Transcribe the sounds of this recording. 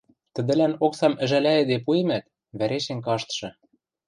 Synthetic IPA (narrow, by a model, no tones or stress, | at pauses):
t̪ɘ̆d̪ɘ̆lænoksɑmɘ̆ʒælæĕd̪epuemæt̪̚ | βæɾeʃĕŋkɑʃt̪ʃɤ̆